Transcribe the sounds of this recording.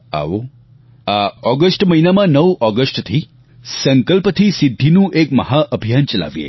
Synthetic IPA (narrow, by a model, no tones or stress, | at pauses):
a̰ʋo | aɔɡəsʈməɦinamãnəʋʔɔɡəsʈt̪ʰi | səŋkəlpət̪ʰisid̪ʱːinũʔekməɦaʔəbʱijant͡ʃəla̰ʋjḛ